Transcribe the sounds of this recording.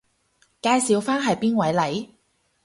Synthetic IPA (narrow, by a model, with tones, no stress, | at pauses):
kaː˧jsiː˨˧wfaː˥nɦɐ˨jpiː˥nwɐ˨˥jlɐ˨˥j